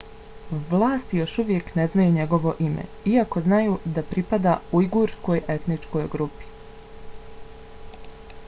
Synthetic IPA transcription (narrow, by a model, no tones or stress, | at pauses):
ʋlˠaːst̪ijo̞ʃuʋje̞kne̞znajuɲe̞ɡo̞ʋo̞ʔimḛ | iako̞znajuːd̪apɾipad̪auiɡuɾsko̞je̞t̪nit͡ʃko̞jɡɾupi̥